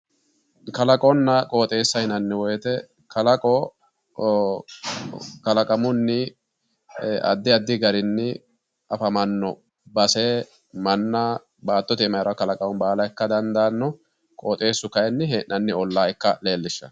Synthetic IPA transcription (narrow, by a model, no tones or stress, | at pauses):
kɐlɐkʼɔnːɐkʼoːt̪ʼe̞ːsːɐhɪnɐnːɪwɔjɛt̪ɛ | kɐlɐkʼɔ | kɐlɐkʼɐmʊnːɪ | ʔɐ̰d̪ːɪɐd̪ːɪɡɐɾɪnːɪ | ɐfɐmɐnːɔ | bɐseː | mɐnːɐ | baːt̪ːɔt̪ɪːmɐjɾɐkɐlɐkʼɐwɔnbaːlɐjɛkːɐd̪ɐnd̪anːɔ | kʼoːt̪ʼe̞ːsːʊkɐjnːɪɦenʔɐnːɪɔlːaːɪkːɐle̞ːlːɪʃːɐ̰